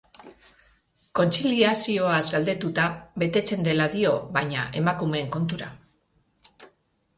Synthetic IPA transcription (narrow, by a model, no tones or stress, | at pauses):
ko̞nt͡siliasio̞azɡald̪e̞t̪ut̪aβe̞t̪e̞t͡se̞nd̪e̞laðio̞βajɲa̰ʔe̞makume̞ːŋko̞nt̪uɾa